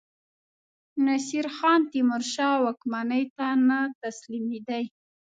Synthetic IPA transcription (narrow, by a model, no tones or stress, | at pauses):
nasiɾxɑnt̪imʊɾʃɑwakmanəjt̪anat̪aslimid̪aj